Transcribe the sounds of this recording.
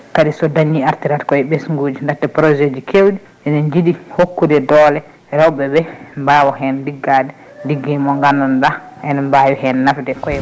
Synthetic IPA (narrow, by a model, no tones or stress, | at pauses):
kadisɔdaɲːiaɾtiɾatkɔɛbɛsŋɡud͡ʒindatːɛpɾɔd͡ʒed͡ʒikʰewɗi | ɛnɛɲd͡ʒidihokːudɛdɔlɛ | ɾawbɛbɛmbawɔhɛndiɡːadɛ | diɡːimɔŋɡanːɔndaʔɛnɛmbajɔhɛnnafdɛkɔɛ